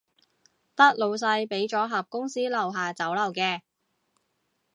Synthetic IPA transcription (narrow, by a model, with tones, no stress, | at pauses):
t̪ɐ˥k̚lo˨˧ws̬ɐ˧jpe˨˥jt͡ʃɔː˨˥ɦɐ˨p̚kʊ˥ŋsiː˥lɐ˨˩wɦaː˨t͡sɐ˨˥wlɐ˨˩wkɛː˧